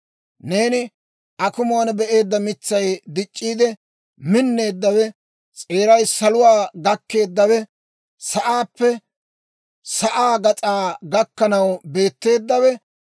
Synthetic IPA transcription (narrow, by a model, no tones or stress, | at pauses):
ne̞ːnɪ | ʔɐkʊmonbɛʔe̞ːd̪ːɐmɪt͡sːɐjd̪ɪt͡ʃʼːiːd̪ɛ | mɪnːe̞ːd̪ːɐwɛ | t͡sʼe̞ːɾɐjsɐlʊwaːɡɐkːe̞ːd̪ːɐwɛ | sɐʔaːpːɛ | sɐʔaːɡɐt͡sʼaːɡɐkːɐnɐwbe̞ːt̪ːe̞ːd̪ːɐwɛ